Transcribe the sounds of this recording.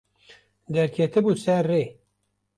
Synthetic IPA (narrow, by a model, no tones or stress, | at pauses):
d̪ɛɾkʰɛt̪ɨbusɛɾːeː